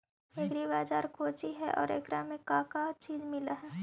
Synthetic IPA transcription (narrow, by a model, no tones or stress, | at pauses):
eɡɾibaːd͡ʒaːɾkʰoːt͡ʃiɦɛʔɔ̰ːɾḛːkɾamẽkaːkat͡ʃiːzmɪlaɦɛː